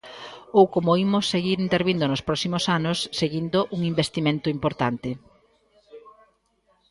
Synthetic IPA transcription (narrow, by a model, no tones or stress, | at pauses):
owkomoimʊsːeɣiɾint̪eɾβind̪ʊnʊspɾɔksimosanʊsːeɣind̪ʊʔuŋimbest̪imẽnt̪ʊimpoɾt̪ant̪ɪ